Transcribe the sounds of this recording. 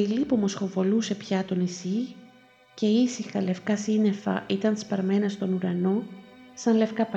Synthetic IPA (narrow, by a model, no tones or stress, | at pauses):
ilipomo̞sxo̞vo̞luse̞pçɐt̪o̞nisi | ce̞isixɐle̞fkɐsine̞fɐ̰ʔit̪ɐnspɐɾme̞nɐst̪o̞nuɾɐno̞sɐnle̞fkɐp